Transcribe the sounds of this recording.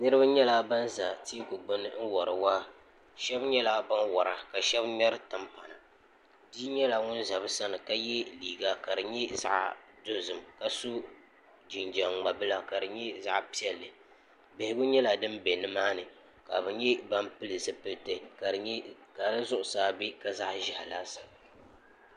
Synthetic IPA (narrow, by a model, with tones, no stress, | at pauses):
nɨ˦ɾɨ˦ba˦ɲɛ˦la˦ba˦nza˨ti˦kʊ˨ɡ͡bɨ˦nɨ̰˦n̩˦wɔ˨ɾɨ˨waː˦ | ʃɛ˦bɲɛ˦la˦ba˦nwɔ˨ɾa˨ka˨ʃɛ˦bɲɛ˦ɾɨ˦tɨ˦mpa˨na˨ | diː˦ɲɛ˦la˨ŋʊ˦nza˨bɨ˦sa˦nɨ˨ka˦jɛ˦liː˨ɡa˦ka˨ɾɨ˨ɲɛ˦za̰˦ʔdo˦zɨ˨mka˨su˦ | d͡ʒi˨nd͡ʒa˨ŋŋ͡ma˨bɨ˦la˨ka˨dɨ˨ɲɛ˦za˦ʔpi˦ɛ˦lːɨ˨ | bɛ˨hɪ˦ɡʊ˦ɲɛ˦la˨dɨ˦mbe˨nɨ˦maː˦nɨ˨ | ka˨bɨ˨ɲɛ˦ba˦mpɨ˦lɨ˨sɨ˦pɨ˦lte˨ka˨˦ka˨lɨ˦zʊ˦ʔʊ˨saː˨bi˦ka˨za˦ʔʒɛ˨hlaː˦sḁ˨